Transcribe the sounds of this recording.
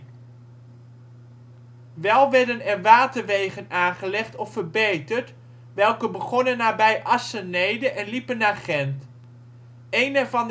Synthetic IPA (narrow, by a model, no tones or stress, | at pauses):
ʋɛlˠʋɛɹdənɛnʋaːtəɹʋejχənaːnχəlɛχtɔfəɹbejtəɹt | ʋɛlˠkəbəχɔnənːaːbɛjʔɑsənejdəʔɛnlipənːaːɹχɛnt | ejnɛɹvɑn